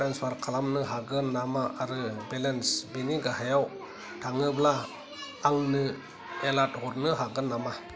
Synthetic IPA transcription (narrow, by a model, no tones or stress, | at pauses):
ɾanspʰaɾkʰalamnɯɦaɡɯnamaʔaɾɯbelensbeniɡahajaw | tʰaŋɯblaː | ŋnɯ | elat̚ɦɔɾnɯɦaɡɯnama